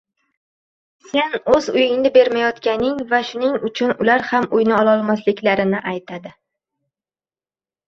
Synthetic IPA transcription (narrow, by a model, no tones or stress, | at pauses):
se̞nɵzʊjɪŋnɪbe̞ɾmajɒt̪kʲanɪŋvaʃʊnɪŋʊt͡ʃʰʊnʊlaɾhamʊjnɪɒlˠɒlˠmaslɪkʲlaɾɪnɪʔajt̪ʰad̪ɪ